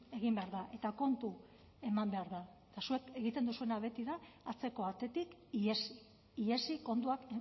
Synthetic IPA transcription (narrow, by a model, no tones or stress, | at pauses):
e̞ɣ̞imbe̞aɾðaʔe̞t̪ako̞nt̪u | e̞mambe̞aɾðaet̪asue̞ke̞ɣit̪end̪usue̞naβe̞t̪iðaːt͡se̞ko̞at̪e̞t̪ikiesi | iesiko̞nt̪uak